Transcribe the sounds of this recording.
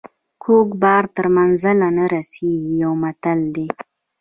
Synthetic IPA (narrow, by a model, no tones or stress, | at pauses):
kʰokbɑɾt̪əɾmanzalanaɾaseɡijawmat̪ald̪e